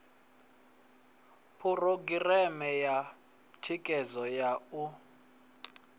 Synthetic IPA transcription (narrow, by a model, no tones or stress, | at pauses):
pʰuroɡirɛmɛja | tʰikʼɛzɔjau